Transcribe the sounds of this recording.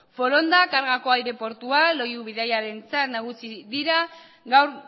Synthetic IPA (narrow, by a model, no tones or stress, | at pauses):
fo̞ɾo̞nd̪akaɾɣako̞ajɾe̞po̞ɾt̪ualo̞juβ̞iðajaɾe̞nt͡sat̪naɣ̞usiðiɾa | ɣawɾ